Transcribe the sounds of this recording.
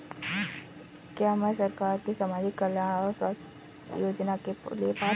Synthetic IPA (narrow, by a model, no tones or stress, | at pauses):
kjaːɦmasɐɾkaːɾkisɐmaːd͡ʒikːɐljaɽɔːɾswaːst̪ʰ | joːd͡ʒnakeliepaː